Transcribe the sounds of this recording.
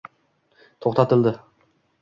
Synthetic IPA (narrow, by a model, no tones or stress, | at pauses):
t̪ʰoχt̪ɑt̪ɪlˠd̪ɪ